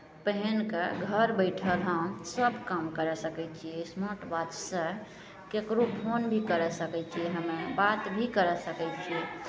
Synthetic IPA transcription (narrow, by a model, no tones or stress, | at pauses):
pəɦɛnkeɡʱəɾbəɪʈʰəɾəɦəõsəbʱkamkəɾɛsəkɛt͡ʃʰiɛsmoʈbat̪sə̃ | kekɾopʰonbʱikəɾɛsəkɛt͡ʃʰiɛɦəmebat̪bʱikəɾɛsəkɛt͡ʃʰiɛ